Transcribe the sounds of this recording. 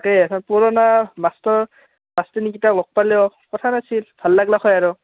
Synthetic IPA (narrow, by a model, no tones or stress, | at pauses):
keatʰanpuɹɔnamastɔ | mastinikitalɔk̚palɛwkɔtʰanasʰilbʱalːaɡlaxʰɔjaɹʊ